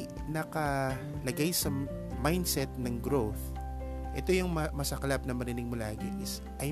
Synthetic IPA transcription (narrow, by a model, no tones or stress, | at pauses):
nɐkɐ | lɐɡajsɐ | majnd̪sɛt̪̚nɐŋɡɾowθ | ʔɛ̰t̪o̞jʊŋmɐmɐsɐklap̚nɐmɐɾɪnɪɡ̚molaːɡɪʔɪs | ʔɐj